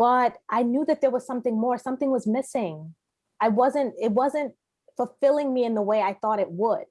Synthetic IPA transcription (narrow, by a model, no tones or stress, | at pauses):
b̥ʌɾʔaɪnjʉðɨt̪̚ðə˞wʌz̥sʌ̃mθɪ̃ŋmɔɹsʌ̃mθɪ̃ŋwʌzmɪsɪ̃ŋ | aɪwʌzɨ̃ntɪt̚wʌzɨ̃nt̚ | fl̩ˠfɪlˠɪ̃ŋmiɨ̃nðəweɪaɪθɔɾɨt̚wʊd̥̚